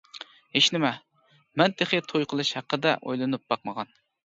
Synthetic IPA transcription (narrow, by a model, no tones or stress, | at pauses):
heʃnɪmɛ | mɛnt̪ʰeχet̪ʰojqʰəlˠɨʃhæqːəd̪ɛ̰ʔo̰jlˠɨnɨp̚bɑqməʁɑn